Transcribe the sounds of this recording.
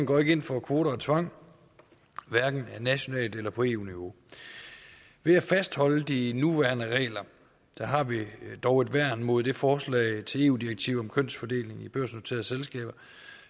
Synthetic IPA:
ŋɡ̥ɒ̰ːe̝ɡ̥e̝n̰fɒ̽kʰʋo̝ːɾɐɒt͡sʰʋɑ̈ŋ̰ | ʋæɐɡ̥n̩ænæɕo̝nɛ̰ːld̥elɐpʰɒ̽e̝̰ːṵniʋo̝ | ʋe̝æfæsd̥hɒ̽ləd̥inuʋæɐnəʁɛ̰ːlɐ | d̥ɑɦɑ̈ʋid̥ɒʊe̝d̥ʋæɐ̰nmo̝ðˠd̥e̝fɒːslɛ̰ɪt͡sʰe̝le̝ːuːd̥ieɡ̥̚t͡sʰiʊ̰ɒ̽mkʰøn̰sfɒ̽d̥e̝̰ːle̝ŋib̥øɐ̰sno̝t͡sʰe̝̰ɐðˠselsɡ̥ɛ̰ːb̥ɐ

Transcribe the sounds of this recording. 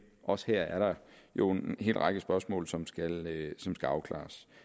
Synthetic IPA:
ʔɒ̽sə̥hɛɐ̰æɐɾ̥ɑ̈jo̝enenhe̝̰ːlʁɑ̈ɡ̥əsb̥ɶɐsmɔ̰̽ːlsɒ̽msɡ̥ælsɒ̽msɡ̥æɑ̈ʊkʰlɑ̰̈ːs

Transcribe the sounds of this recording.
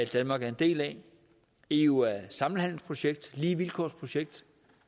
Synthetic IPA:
æd̥ænmɑ̈ːɡ̥æɐe̝nd̥e̝̰ːlɛ | euæsɑ̈ml̩hæn̰l̩spʰʁo̝ɕeɡ̥̚d̥liːʋilkʰɒ̰spʰʁo̝ɕeɡ̥̚d̥

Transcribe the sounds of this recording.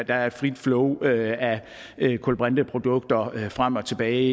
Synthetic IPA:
d̥ɑ̈æɐe̝d̥fʁid̥flɔʊøæ | kʰɔ̽lb̥ʁand̥əpʰʁo̝d̥ɔ̽ɡ̥̚d̥ɐfʁam̰ɒ̽t͡sʰe̝b̥ɛːɪ

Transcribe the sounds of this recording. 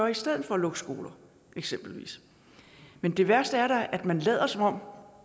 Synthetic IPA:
ɐisd̥eð̰̩ˠfɒ̽lɔ̽ɡ̥sɡ̥o̝̰ːlɐ | eɡ̥sem̰b̥l̩ʋḭːs | mend̥e̝ʋæɐsd̥əæɐɾɑæd̥mænlɛ̰ːɐsɒ̽mɒ̽m̰

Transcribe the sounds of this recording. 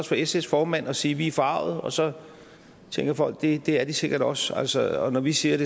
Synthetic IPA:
ɒsfɒ̽esesfɒːmæn̰ɒ̽siːʋiæɐfɒɑ̈ʊ̰ð̞̩ˠɒ̽sɒ̽ | t͡sʰeŋɡ̥ɐfɒ̽l̰ɡ̥̚d̥e̝d̥e̝æɐd̥ise̝ɡ̥ɐɾɒ̽sælsəɒ̽nɒʋisiːɐɾ̥e

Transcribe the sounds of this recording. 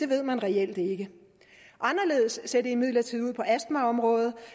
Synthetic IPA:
d̥e̝ʋe̝ð̰ˠmænʁɛel̰d̥e̝ɡ̥ə | ʔɑ̈nɐle̝ːð̞ˠəsseɐd̥eimið̞̰ˠlɐt͡sʰiðˠuð̰ˠpʰɒ̽ʔæsd̥mæɒ̽mʁɔ̽ːð̩ˠ

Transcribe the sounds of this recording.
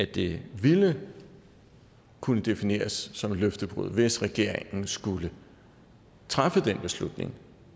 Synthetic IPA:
æd̥e̝ʋilə | kʰunəd̥e̝fine̝̰ːɐsːɒ̽mløfd̥əb̥ʁṵð̰ˠʋe̝sʁɛɡ̥e̝ɐ̰eŋn̩sɡ̥ulə | t͡sʰʁafəd̥enb̥e̝slud̥ne̝ŋ

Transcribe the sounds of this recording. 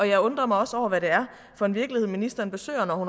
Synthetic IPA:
ɒ̽jɑ̈ɪɔ̽nd̥ʁɐmɑ̈ɪɒ̽sɒʊ̰ɐʋæɾe̝æɐ | fɒ̽e̝nʋiɐɡ̥liheð̰ˠminisd̥ɐɐnb̥e̝sø̰ːɐnɒhun

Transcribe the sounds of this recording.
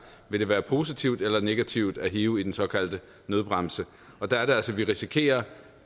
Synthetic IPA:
ʋe̝ɾ̥e̝ʋæːɐpʰo̝ːsit͡sʰiʊ̰d̥elɐne̝ɡ̥æt͡sʰiʊ̰d̥æɦeːʊid̥ensɒ̽kʰæl̰d̥ə | nøð̞ˠb̥ʁɑmsə | ɒ̽d̥ææɐɾe̝ælsɒʋiʁisikʰe̝̰ːɐ

